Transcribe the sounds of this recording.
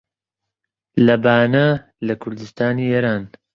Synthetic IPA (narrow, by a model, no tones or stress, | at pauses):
lɐbaːnɐ | lɐkʰʊɾd̪ɨst̪ʰaːniːeːɾaːn